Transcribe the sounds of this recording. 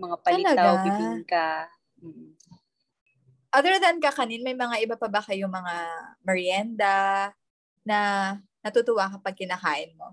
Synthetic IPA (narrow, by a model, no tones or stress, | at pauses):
mɐŋapɐlɐlɐɡ̪aaɪka | m̩ː | ʔaðɛɹðɐnkɐkɐninmɐjmɐŋaʔɪbapɐbɐkɐjʊŋmɐŋamɛɹjɛnd̪ɐ | nɐ | nɐt̪ʊt̪ʊwakɐpɐɡ̚kɪnakaːʔɪnmo̞